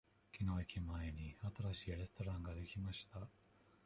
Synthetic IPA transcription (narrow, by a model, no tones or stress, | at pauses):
kʲino̞ikʲimaeɲ̟iat̪aɾaɕiːɾe̞st̪o̞ɾãŋɡad̪e̞kʲimaɕi̥t̪a